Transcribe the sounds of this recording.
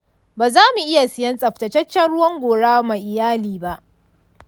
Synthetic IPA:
baː˨zaː˦mu˨ʔɪ˦ja˨sɪ˦jɐ˦nsʼɐ˨ɸtɐ˨t͡ʃɐ˦t͡ʃːɐ˦nɽʊ˦wɐ˦ŋɡʷoː˨ɽaː˦ma˨jʔɪ˨jaː˦liː˨ba˦ʔ

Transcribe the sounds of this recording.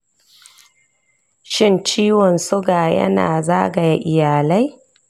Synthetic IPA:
ʃɪ˦nt͡ʃiː˦wɔ˨nsʊ˦ɡaː˨jɐ̰˦na̰ː˨zaː˦ɡa˨ja˦ʔɪ˨jaː˨la˦j

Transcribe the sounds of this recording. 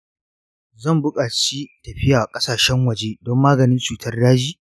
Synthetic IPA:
zɐ˦˨mbʊ˦kʼaː˨t͡ʃi˦tɐ˨ɸɪ˦jaː˨kʼɐ˦saː˨ʃɛ˦ŋwɐ˨d͡ʒeː˦dɔ˦mːaː˦ɡɐ˨nɪ˦nt͡ʃuː˨tʰɐ˦rdaː˦d͡ʒiː˦

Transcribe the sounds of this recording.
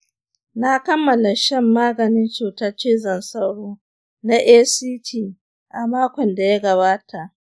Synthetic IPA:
na˦kɐ˦mːɐ˨la˨ʃɛ˦mːaː˦ɡɐ˨nɪ˦nt͡ʃuː˨tɐ˦t͡ʃeː˦zɐ˨nsɐ˦wɽoː˦ | na˦ʔeː˦siː˦tʰiː˦˨ | ʔa˨maː˦kʷɔ˨nda˨ja˦ɡɐ˨βaː˦ta˨ʔ

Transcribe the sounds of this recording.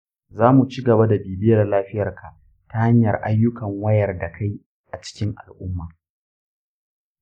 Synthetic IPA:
zaː˦mu˨t͡ʃiː˦ɡɐ˨ba˦da˨biː˨bɪ˦jɐ˨rlaː˦ɸɪ˦jɐ˨rkʰa˨ʔ | ta˦ha˦ɲjɐ˨rʔa˦jːʊ˦kɐ˨ŋwɐ˦jɐ˨rda˨kʰa˦j | ʔa˨t͡ʃɪ̥˦kʲɪ˦ŋʔa̰˨lʔʊ˦mːaː˨

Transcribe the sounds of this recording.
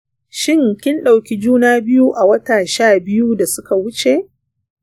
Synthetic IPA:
ʃɪ˦ŋkʲɪ˦nɗa˨wkʲi˦d͡ʒuː˦naː˦bɪ˦ju˦ʔa˨wɐ˦taː˨ʃaː˦˨bɪ˦ju˦da˨sʊ˦ka˨wʊ˦t͡ʃe˨ʔ

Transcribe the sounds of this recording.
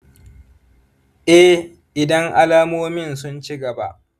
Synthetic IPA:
ʔɛ˦h | ʔɪ˨dɐ˦ŋʔa˦laː˦moː˦mɪ˦˨nsʊ˦nt͡ʃɪ˦ɡɐ˨ba̰˦ʔ

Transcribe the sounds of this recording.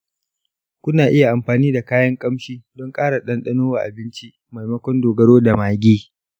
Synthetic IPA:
kʷʊ˦naː˨ʔɪ˦ja˨ʔa˨mɸaː˨niː˦da˨kaː˦jɐ˦ŋkʼɐ˦mʃiː˦dɔ˦ŋkʼaː˦ɽa˨ɗɐ˦nɗɐ˦noː˦wa˨ʔa̰˨bɪ˦nt͡ʃi˦ | ma˨jmɐ˦kʷɔ˦ndoː˨ɡɐ˦ɽoː˦da˨maː˨ɡʲiː˦

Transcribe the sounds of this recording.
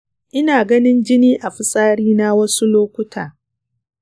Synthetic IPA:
ʔɪ˦naː˨ɡɐ˦nɪ˦nd͡ʒɪ˦niː˦ʔa˨ɸɪ˦sʼaː˦ɽiː˦na˦wɐ˦su˦loː˦kʷʊ˦tʰaː˨

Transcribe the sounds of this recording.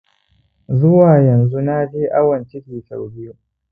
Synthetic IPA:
zʊ˦waː˨jɐ˨nzu˦naː˦d͡ʒeː˦ʔa˦wɐ˨nt͡ʃɪ˦kʲiː˨ta̰˨wbɪ˦ju˦

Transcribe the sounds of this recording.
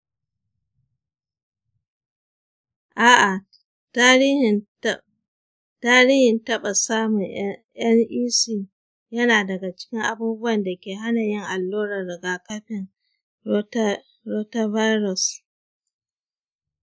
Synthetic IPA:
ʔaː˨ʔa˨ | ta˦ɾiː˦h | taː˦ɾiː˦hɪ˨ntɐ˦ɓa˨saː˦mʊ˨ŋ | jɐ˦ŋʔiː˦siː˦˨ | jɐ˦naː˨dɐ˨ɡa˨t͡ʃɪ̥˦kʲɪ˦ŋʔa˨buː˦bʊ˦wɐ˨nda˨kʲeː˨ɦa˦na˨jɪ˦ŋʔa˨lːoː˦ɾɐ˨ɾɪ˨ɡaː˨kɐ˦ɸɪ˨n˦ | ɾo˦ta˦va˦jɾɔ˨s

